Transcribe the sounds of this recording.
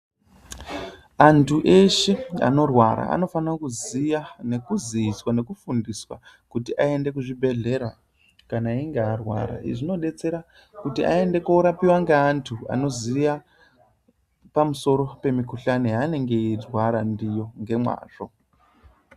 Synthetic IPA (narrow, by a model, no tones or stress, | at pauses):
antʰuʔeʃe̞a̰no̞rwaɾa̰a̰no̞fanakuzijane̞kuziːswane̞kufundiswa̰ | kutiʔae̞nde̞kuʐibʱe̞ɮe̞ɾa | kanaiŋɡearwa̰ɾa̰ḭʐino̞ɗe̞t͡se̞ɾa | kutia̰e̞nde̞kuːɾapiwaŋɡeantʰua̰no̞zija | pamuso̞ɾo̞pe̞mikuɬaniane̞ŋɡe̞irwaɾandijo̞ŋɡe̞mwa̰ːʐ̥o̞